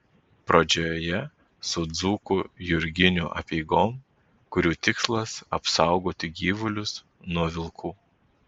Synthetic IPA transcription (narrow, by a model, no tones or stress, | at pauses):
pɾod͡ʒʲojoːjɛ | sʊd̪zuːkujʊɾʲɡʲɪnʲʊʔɐ̰pʲɛɪɡoːm | kʊɾʲuːt̪ʲɪkslˠɐsɐpsɑˑʊɡoːt̪ʲɪɡʲiːʋʊlʲʊs | nuɔʋʲɪlˠkʰuː